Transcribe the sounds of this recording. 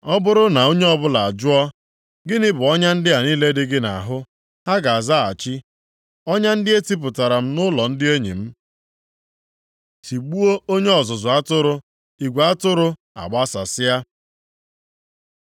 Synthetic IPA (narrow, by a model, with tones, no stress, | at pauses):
ɔ˦bʊ˦ɾʊ˦na˨o˦ɲe˦ɔ˦bʊ˦la˨a˨d͡ʒʊ˦ɔ˦ | ɡɪ˦nɪ˦bʊ˨ɔ˦ɲa˦n̩˦dɪ˦a˨niː˦le˦dɪ˦ɡɪ˦na˨ɦʊ˦ | ha˦ɡa˨a˨za˦a̰˨t͡ʃi˦ | ɔ˦ɲa˦n̩˦dɪ˦e˦ti˦p̬ʊ˨ta˨ɾa˨m̩˦nʊ˦lɔ˨n̩˦dɪ˦e˦ɲḭ˨m̩˦ | ti˨ɡ͡bu˦o˦o˦ɲe˦ɔ˨zʊ˨zʊ˨a˦tʊ˦ɾʊ˦ | i˨ɡʷe˨a˦tʊ˦ɾʊ˦ | a̰˨ɡ͡ba˦sa˨sɪ˦ja˦